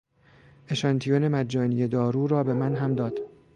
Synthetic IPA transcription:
eʃɒnt̪ʰione̞mæd͡ʒːɒːnije̞d̪ɒːɾuːɾɒːbe̞mænɦæmd̪ɒːd̪̥

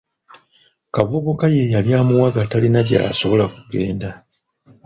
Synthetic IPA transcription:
kavoβokaje̞jaljaːmuwaɡatalinaɟa̰so̞βo̞lakuɡe̞ːnda

